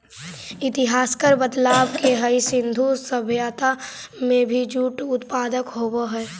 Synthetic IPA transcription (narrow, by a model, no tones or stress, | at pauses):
ɪt̪ɪɦaːskəɾbəd̪laːbkeɦəisɪ̃nd̪ʱusəbʱjaːt̪amẽbʱid͡ʒuːʈʊt̪paːd̪əkɦoːboɦɛː